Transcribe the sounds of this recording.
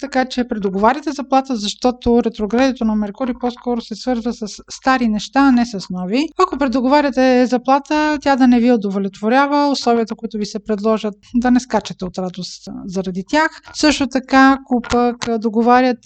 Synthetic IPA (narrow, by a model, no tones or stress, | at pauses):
t̪ɐkat͡ʃɛpɾɛd̪oɡovaɾʲət̪ɛzɐplˠat̪əzɐʃt̪ɔt̪oɾɛt̪ɾoɡɾad̪it̪onɐmɛɾkuɾipɔskɔɾosɛsvɤɾzvəsɐsːt̪aɾinɛʃt̪aːnɛsɐsnɔviɐkopɾɛd̪oɡovaɾʲət̪ɛzɐplˠat̪ət̪ʲjad̪ɐnɛviod̪ovolʲɛt̪voɾʲavəoslˠɔviət̪əkoit̪ʊvisɛpɾɛd̪lˠɔʒət̪d̪ɐnɛskat͡ʃɛt̪ɛot̪ɾad̪oszɐɾɐd̪it̪ʲjaxsɤʃt̪ot̪ɐkaːkopəkd̪oɡovaɾʲjət̪